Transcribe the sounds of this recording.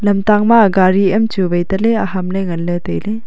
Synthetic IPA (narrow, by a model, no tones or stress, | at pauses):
lɐmtaŋmaɡaɾiɐmt͡ʃubɐjtɐleɐɦamleŋɐnletɐjle